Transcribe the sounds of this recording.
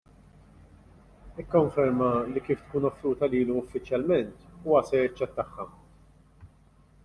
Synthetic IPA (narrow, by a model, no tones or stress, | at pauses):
ɪkːɔɱfɛɾmɐlikiːft̪kuːnɔfːɾuːt̪ɐliːlɔʊfːɪt͡ʃjɐlmɛnt̪uːɐsɛɾjɐt͡ʃːɛt̪ːɐħːɐ